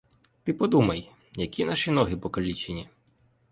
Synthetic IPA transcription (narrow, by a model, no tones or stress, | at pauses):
t̪ɪpɔd̪umɐj | jɐkʲinaʃin̪ɔɦɪpɔkɐlʲit͡ʃenʲi